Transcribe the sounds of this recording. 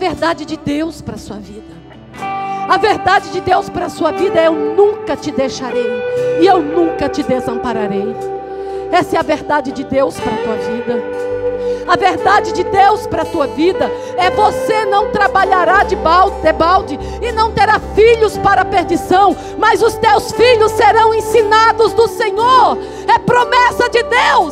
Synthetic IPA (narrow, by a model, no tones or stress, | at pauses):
ɐveɾd̪ad͡ʒɪd͡ʒɪd̪ewspɾɐsuɐvid̪ɐ | ɐveɾd̪ad͡ʒɪd͡ʒɪd̪ewspɾɐsuɐvid̪ɐewnũkɐt͡ʃɪd̪ejʃaɾejɪewnũkɐt͡ʃɪd̪ezɐ̃mpaɾaɾej | ɛsɪɐveɾd̪ad͡ʒɪd͡ʒɪd̪ewspɾɐt̪uɐvid̪ɐ | ɐveɾd̪ad͡ʒɪd͡ʒɪd̪ewspɾɐt̪uɐvid̪ɐ | ɛvosenɐ̃w̃t̪ɾabaʎaɾad͡ʒɪbaw̪ebawd͡ʒɪ | ɪnɐ̃w̃t̪eɾafiʎʊspaɾɐpeɾd͡ʒisɐ̃w̃ | mɐzʊst̪ewsfiʎʊsːeɾɐ̃w̃ẽsinad̪ʊzd̪ʊsẽɲoɾ | ɛpɾomɛsɐd͡ʒɪd̪ews